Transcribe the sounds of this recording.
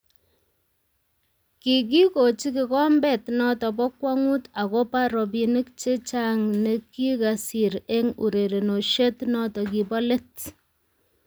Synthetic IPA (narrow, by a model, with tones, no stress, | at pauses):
ki˨k̬i˦ko˨t͡ʃi˦ki˨kɔ˦mbɛ˦˨tnɔ˦tɔ˨p̬ɔ˦kwa˦ŋu˦ta˨ko˦pa˦ɾɔ˨p̬i˨ni˦kt͡ʃe˦t͡ʃa˦ŋne˨ki˦ka˨si˨ɾe˦ŋṵ˨ɾe˨ɾe˨no˨ʃe˦tnɔ˦tɔ˨ki˨pɔ˦le˦t